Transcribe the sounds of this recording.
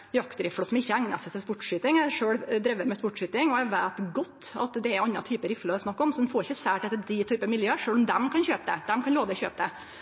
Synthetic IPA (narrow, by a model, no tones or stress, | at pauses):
jɑkt̪ɾɪfɽɔsɔmɪçːəæŋnɑ̰sɛt̪ʰɪlspʊʈːʂyːt̪ɪŋæɪʂøːɽd̪ɾɛʋːəɾmɛspʊʈʂyːt̪ɪŋɔæʋæːt̪ɡɔt̪ːɑ̰t̪d̪ɛɛɾɑnːɑt̪ʰyːpəɾɪflɔɛsnɑkːɔmsɔd̪ɛnfɔːɾɪçːəsæːʈɛt̪ːəd̪ɪt̪ʰyːpəmɪljøːəʂøːlɔmd̪ɛmkʰɑnçøːpəd̪ɛ̰d̪̥ɛmkʰɑnloːʋəɛçøːpəd̪ɛ